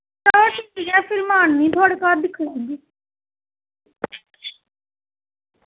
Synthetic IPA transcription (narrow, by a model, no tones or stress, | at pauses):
aːʈiãːpʰɪɾmaːnːĩːt̪ʰɔːɽkaːɾd̪ɪkʰːɾeːɡiː